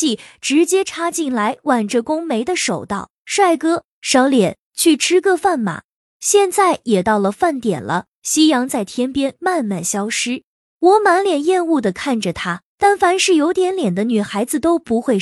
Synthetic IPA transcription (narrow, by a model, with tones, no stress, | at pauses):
i˥˩ʈ͡ʂɻ̩˧˥t͡ɕjɛ˥ʈ͡ʂʰa˥t͡ɕi˥˩nla˧˥ɪwa˨˩nʈ͡ʂə˧kʊ˥ŋme˧˥ɪd̪ə˧ʂo˨˩ʊt̪ɑ˥˩ʊʂwa˥˩ɪkɤ˥ | ʂɑ˧˥ʊljɛ˨˩˦n | t͡ɕʰy˥˩ʈ͡ʂʰɻ̩˥kɤ˥˧fa˥˩nma̰˨˩˦ | ɕjɛ˥˧nt͡sa˥˩ɪjɛ˨˩t̪ɑ˥˩ʊlə˩fa˥˩nt̪jɛ̰˨˩nlʔə̰˦ | ɕi˥jɑ˧˥ŋt͡sa˥˩ɪt̪ʰjɛ˥npjɛ˥nma˥˧nma˥˩nɕjɑ˥ʊʂɻ̩˥ | wɔ˧˥ma˧˥nljɛ˨˩njɛ˥˧nu˥˩d̪ə˩kʰa˥˩nʈ͡ʂə˩t̪ʰa˥t̪a˥˩nfa˧˥nʂɻ̩˥˩jo˧˥ʊt̪jɛ˧˥nljɛ˨˩nd̪ə˦ny˨˩xa˧˥ɪd͡zɹ̩˧t̪o˥ʊpu˧˥xwe˥˩ɪ